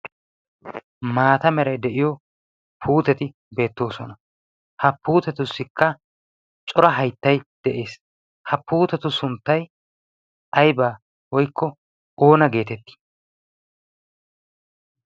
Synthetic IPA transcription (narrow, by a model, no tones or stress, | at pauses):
maːt̪ɐmɛɾɐjd̪ɛʔɪjɔ | pʰuːt̪ɛt̪ɪ | be̞ːt̪ːo̞ːsɔnɐ | hɐpːuːt̪ɛt̪ʊsːɪkːɐ | t͡ʃʼɔɾɐɦɐjt̪ːɐjd̪̥ɛʔe̞ːs | hɐpːuːt̪ɛt̪ʊsʊnt̪ːɐj | ʔɐjbaː | wɔjkʰːɔ | o̞ːnɐɡe̞ːt̪ɛt̪ːi̥